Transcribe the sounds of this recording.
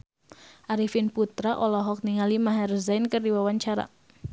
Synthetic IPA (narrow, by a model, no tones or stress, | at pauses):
ʔaɾifinput̪ɾaʔɔlɔɦɔk̚niŋalimaɦɛrzajnkərdiwawaɲt͡ʃaɾa̰